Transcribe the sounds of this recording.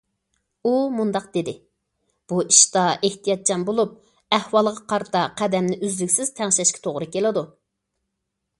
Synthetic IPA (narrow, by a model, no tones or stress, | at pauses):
umund̪ɑq̚d̪ed̪ɪ | b̥uiʃt̪ɑʔeht̪ʰijɑt̪̚t͡ʃɑnbolˠup̚ | æhwɑlˠʁɑqʰɑɾt̪ʰɑqʰæd̪ɛmnɪʔyzlykʲsɪz̥t̪ʰɛŋʃɛʃkʲɛ̥t̪ʰoʁɾɨkʲelɪd̪u